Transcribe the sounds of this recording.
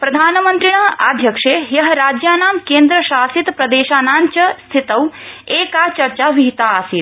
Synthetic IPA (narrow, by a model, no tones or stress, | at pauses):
pɾɐd̪ʱaːnmə̃nt̪ɾiɽ̃ɐa̰ːd̪ʱjɐkʂejɐɦɐɾaːd͡ʒjaːnaːmkẽːnd̪ɾəʃaːsit̪pɾɐd̪eːʃaːnaːnt͡ʃɐst̪ʰit̪ɐweːkat͡ʃɐɾt͡ʃaːʋiɦit̪aːsit̪